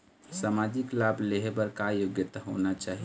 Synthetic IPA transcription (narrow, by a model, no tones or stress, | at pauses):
samad͡ʒɪklabʱleɦebəɾkajoɡjət̪ɦonat͡ʃaːɦi